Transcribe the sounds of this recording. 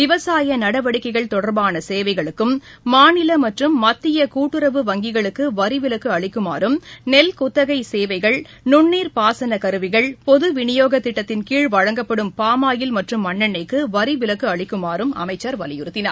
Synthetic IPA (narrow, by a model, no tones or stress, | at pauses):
ʋɪʋɐsaːjɐnɐɽɐʋɐɽɪkːɐɪɣɐɭt̪ɔɽɐɾbaːnɐseːʋɐɪɣɐɭɯkːɯmː | aːnɪlɐmɐʈrɯmːɐt̪ːɪjɐkuːʈːɯɾɐʋɯʋɐŋɡɪɣɐɭɯkːɯʋɐɾɪʋɪlɐkːɯɐɭɪkːɯma̰ːɾɯmnɛlkʊt̪ːɐɣɐɪseːʋɐɪɣɐɭ | nʊɳːiːɾpaːsɐnɐkɐɾɯʋɪɣɐɭpɔðɯʋɪɳɪjoːɣɐt̪ːɪʈːɐt̪ːɪnkiːɻʋɐɻɐŋɡɐpːɐɽɯmpaːmaːjɪlmɐʈrɯmːɐɳːɐɳːɐɪkːɯʋɐɾɪʋɪlɐkːɯɐɭɪkːɯmaːɾɯmɐ̰mɐɪt͡ʃːɐɾʋɐlɪjʊɾɯt̪ːɪna̰ːɾ